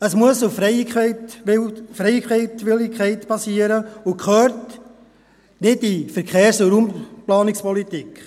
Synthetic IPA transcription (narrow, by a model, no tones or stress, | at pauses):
əsmuəsuffɾɛjkɛɪtɪfɾɛjkχɛɪtʋɪlɪkʰχɛɪtpɑsiːəɾəʊkχœːɾt | nɪtdifəɾkʰeːɾsəɾumplɑːnɪkspɔlitik